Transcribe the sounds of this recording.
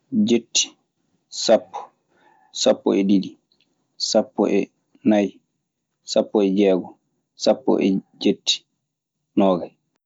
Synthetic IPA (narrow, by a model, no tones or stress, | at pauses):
d͡ʒetːi̥ | sapːɔ̥ | sapːɔ̰ɛdidi | sapːɔ̰ʔɛ | naj | sapːɔɛd͡ʒɛːɡɔ | sapːɔ̰ʔɛ̰d͡ʒetːi̥ | nɔːɡaj